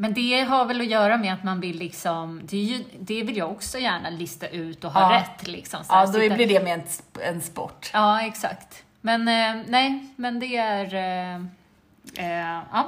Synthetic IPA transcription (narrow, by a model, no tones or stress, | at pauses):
mɛnd̪ɛɦaɾvɛlɔjœːɾamɛat̪manvɪlːɪksɔmd̪ɛːjɵd̪ɛvɪljaɔksɔjæːɳalɪst̪aʔʉ̟ːt̪ɔɦːɾɛt̪ːlɪ̰ksɔmsad̪blɪɖɛmɛɛɛnspɔ̰ʈːɑːɛksa̰kt̪ | mɛnnɛɪmɛnd̪ɛæɾ | ɑː